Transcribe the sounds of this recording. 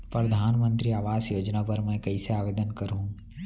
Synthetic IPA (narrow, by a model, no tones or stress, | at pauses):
pɾɐd̪ʱaːnmə̃nt̪ɾiaːʋaːzjoːd͡ʒnapɐɾmɛ̃kɐiseaːʋeːd̪ənkɐɾɦũː